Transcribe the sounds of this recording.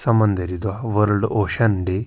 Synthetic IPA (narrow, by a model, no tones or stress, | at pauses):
sɐmɐnd̪ʱəɾid̪waʋəɾɭɖoːɕɐnɖe